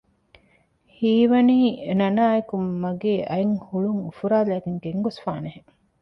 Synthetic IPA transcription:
hiːʋɐniːnɐnaːekummːɐɡeːʔɐeŋhuɭuŋufuɾaːlæːɡeŋɡeŋɡosfaːneɦe

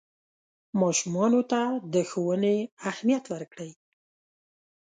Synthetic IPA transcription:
mɑʃumɑnot̪ad̪əxowəneahmijat̪wəɾkɽəj

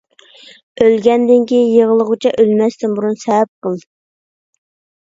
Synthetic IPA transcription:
ølɡʲɛnd̪ɪŋkʲijeʁəlˠəʁʊt͡ʃʰɑʔølmɛst̪ɪnbuɾunsɛwɛp̚qəlˠd̪ɨ

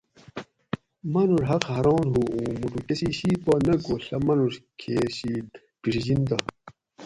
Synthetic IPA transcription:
mɐnuɾɦɐqhɐɾɑːnɦuːũːmuʈukesiɕipɐnɐɡoːɬɐmɐnuɾkʰeːɕiː | piʂid͡ʑind̪ɐ

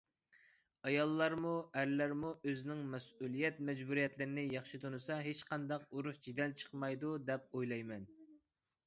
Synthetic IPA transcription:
ɑjɑlˠːɑɾmuæɾlæɾmuʔøzɪnɪŋmɛsulˠijɛt̪̚mɛd͡ʒbuɾijɛt̪lɪɾɪnɪjɑχʃit̪ʰonɨsɑɦet͡ʃqɑnd̪ɑquɾuʃd͡ʒid̪ɛnt͡ʃʰə̥qmɑjd̪ud̪ɛp̚ojlˠɑjmɛn

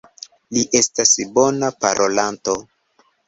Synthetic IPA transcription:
liʔe̞stasbo̞napaɾʔo̞lanto̞

